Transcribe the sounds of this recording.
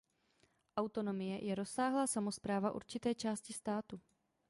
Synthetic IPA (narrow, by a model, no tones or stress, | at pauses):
ʔawt̪o̞no̞mɪjɛjʔɛɾo̞sːaːɦlaːsamo̞spɾaːvaʔṵɾt͡ʃɪt̪ɛːt͡ʃaːscɪst̪aːt̪u